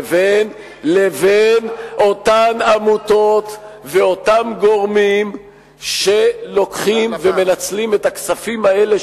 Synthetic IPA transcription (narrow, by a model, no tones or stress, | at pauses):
ven | le̞venʔo̞tanamuto̞t̪ve̞o̞tamɡo̞ʁmim | ʃelo̞kχimve̞me̞nat͡slimetaksafimae̞le